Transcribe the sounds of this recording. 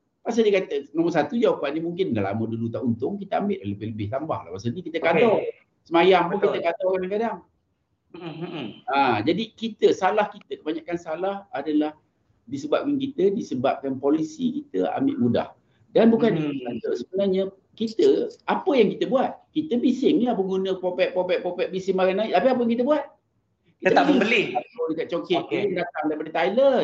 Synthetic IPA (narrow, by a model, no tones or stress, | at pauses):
pas̬adikat̪ənamans̬at̪ud͡ʒawapanimuŋkɪndala̰mədulut̪aʔunt̪ʊŋkit̪əambɪʔ̪ləbɪhləbɪht̪amba̰hla̰hpasanikit̪əkat̪ɔ | səmajaŋpukkit̪əkat̪ɔkadaŋkadaŋ | ãd͡ʒadikit̪əsalahkit̪əkəbaɲaʔkansalahadalah | disəbap̚kankit̪ədisəbap̚kanpolisḭkit̪ə̰a̰mɪʔmuda̰h | danbukanialat̪əʔsəbənahɲa | kit̪əapəjaŋkit̪əbuat̪̚kit̪əbisɪŋapəŋɡunə̃popɛʔ̚popɛʔ̚popɛʔ̚bisɪŋmaɾanaiʔt̪apiap̬əjaŋkit̪əbuat̪̚ | kit̪t̪abəlɪatokaʔ̚t͡ʃokeʔəndat̪aŋdaipadət̪ajlə